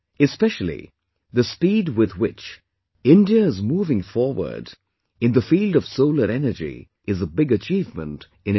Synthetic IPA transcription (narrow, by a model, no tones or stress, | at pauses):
ɨspɛʃəl̩ˠḭ | ðəspiːdwɪðwɪt͡ʃ | ɪ̃ndiəɪzmuːvɪ̃ŋfɔɹwə̰˞d | ɨ̃nðəfilˠdʌv̥soʊləɾɛnə˞d͡ʒḭ | ʔɨzəbɪɡɨt͡ʃiːvmə̰̃nt | ɨ̃n